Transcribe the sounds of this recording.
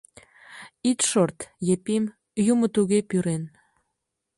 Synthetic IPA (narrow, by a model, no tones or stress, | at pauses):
it̪ʃort̪jepim | jumə̆t̪uɣepyɾen